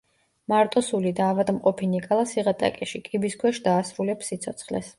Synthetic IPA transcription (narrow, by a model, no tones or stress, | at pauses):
maɾt̪ʼɔsulid̪aːvad̪mqʼɔpʰinikʼalˠasiʁat̪ʼa̰kʼɛʃikʼibiskʰwɛʃd̪aːsɾulɛpsːit̪sʰɔt̪sʰχlɛ̰s